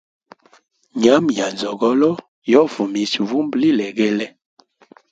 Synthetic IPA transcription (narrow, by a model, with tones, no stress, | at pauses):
ɲa˨˦mja˨nzɔ˨ɡɔ˦lɔ˦ | jɔ˦vu˨mi˨svu˦mbli˦lɛ˨ɡɛ˦lɛ˦